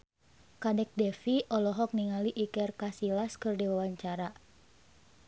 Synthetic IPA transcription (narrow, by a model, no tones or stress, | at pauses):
kanɛk̚dɛfiʔɔlɔɦɔk̚niŋaliʔikɛrkasilaskɨrdiwawaɲt͡ʃaɾa